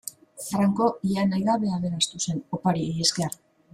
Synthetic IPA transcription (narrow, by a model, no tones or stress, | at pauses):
fɾaŋko̞ianajðaβe̞ame̞nast̪use̞nopaɾieske̞ar